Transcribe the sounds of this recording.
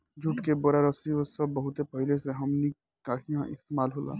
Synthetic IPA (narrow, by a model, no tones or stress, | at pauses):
d͡ʒʊʈkeboɾaɾəsiosɐbːəɦʊt̪epəɦileseɦɐmni | kaːɦijãʔɪst̪emaːlɦoːla̰ː